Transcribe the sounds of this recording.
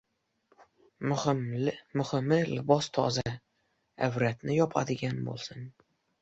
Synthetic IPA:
mmʊhɪmɪlɪbɒst̪ʰɒ̰za | awɾat̪nɪjɒpʰa̰d̪ɪɡʲanbo̰lˠsɪn

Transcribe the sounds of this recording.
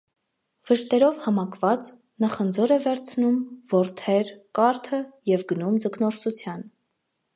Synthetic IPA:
v̥əʃt̪ɛɾɔvhɑmɑkʰvɑt͡s | nɑχənd͡zɔɾɛvɛɾt͡sʰnumvɔɾt̪ʰɛɾkɑɾt̪ʰəjɛvɡənumd͡zəknɔɾsut͡sʰjɑn

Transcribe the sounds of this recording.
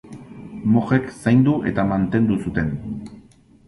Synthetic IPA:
moχe̞ksajnd̪uʔe̞̰t̪amant̪e̞nd̪usut̪e̞n

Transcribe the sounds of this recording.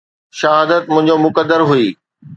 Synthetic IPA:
ʃɐɦaːd̪ət̪̚mʊ̃ɦɪ̃ɲd͡ʑomʊkəd̪ːəɾɦuiː

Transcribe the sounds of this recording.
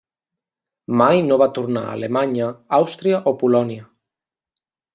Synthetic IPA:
majnoβat̪uɾna̰a̰lemaɲəawst̪ɾiaʔopulɔniə

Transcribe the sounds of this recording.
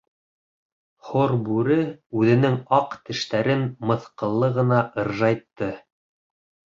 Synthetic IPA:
χoɾbʉɾɘʉðɘ̆nɘŋɑqt̪ɘ̆ʃt̪æɾɘnmɤ̆θqɤ̆lˠːɤʁɤ̆nɑʔɤ̆ɾʒɑjt̪ːɤ

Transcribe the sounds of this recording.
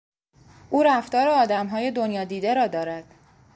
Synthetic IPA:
ʔuːɾæft̪ɒːɾeɒːd̪æmɦɒːje̞d̪onjɒːd̪iːd̪e̞ɾɒːd̪ɒːɾæd̪̥

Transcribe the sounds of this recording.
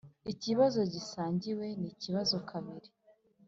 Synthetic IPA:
iciβazo̞ɟisaːɲɟiwe̞niciβazo̞kʰaβiɾi̥

